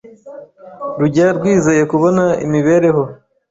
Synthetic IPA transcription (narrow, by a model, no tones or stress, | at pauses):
ɾuɟaɾɡwiːze̞je̞kuβo̞naḭmiβe̞ɾe̞ho̞